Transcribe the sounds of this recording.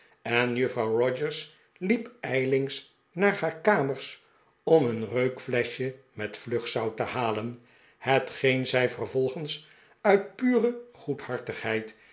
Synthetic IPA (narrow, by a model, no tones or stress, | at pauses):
ɛnjɵfrɑwrɔd͡ʒəɹs | lipɛjlɪŋs | naːɹhaːɹkaːməɹs | ɔmənrøɥkflɛʃjə | mɛtflɵχsɑwtəhaːlən | hətχejnzɛjvərvɔlˠχəns | œɥt̚pyːrəχuthɑɹtəχhɦɛjt